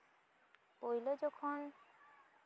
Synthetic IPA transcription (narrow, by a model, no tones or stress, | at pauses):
pojlod͡ʒɔkʰɔn